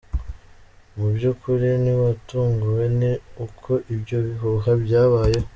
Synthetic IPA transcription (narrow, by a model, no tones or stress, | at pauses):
mubɟukʰuɾiniβatuːŋɡuwe̞niukʰo̞ʔibɟo̞βiɦuɦabɟaːβaːje̞